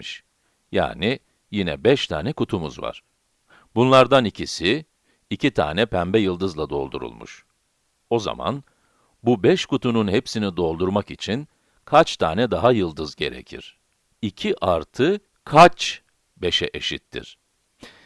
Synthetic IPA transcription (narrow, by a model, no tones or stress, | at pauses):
iʃ | ja̰ːni | jinɛ̰bɛʃt̪ʰaːnɛkut̪ʰumuzva̰ɾ̥ | bunlˠaɾd̪anicʰisiː | cʰit̪ʰa̰ːnɛpʰæmbɛjɯlˠd̪ɯzlˠad̪o̞̰lˠd̪ṵɾṵlˠmṵʃ | o̞za̰ma̰n | bubɛʃkut̪ʰununhepsinid̪o̞lˠd̪uɾmakit͡ʃʰin | kʰat͡ʃt̪ʰaːnɛd̪aɦajɯlˠd̪ɯzɟe̞̰ɾḛcʰḭɾ̥ | icʰiʔaɾt̪ʰɯ | kʰat͡ʃ | be̞ʃɛʔeʃit̪ʰːḭɾ̥